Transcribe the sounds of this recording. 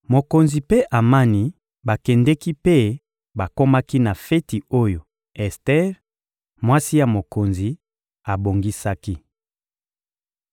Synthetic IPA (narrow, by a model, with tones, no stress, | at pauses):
mo˨ko˨nzi˨pe˦ʔa˨ma˦ni˦ | ba˨kɛ˨ndɛ˦ki˦pe˦ | ba˨ko˦ma˦ki˦na˨fɛ˦ti˨o˦jo˨ | ɛ˨stɛ˦ʁ | mwa˦si˦ja˨mo˨ko˨nzi˨ | a˨bo˨ŋɡi˦sa˦ki˦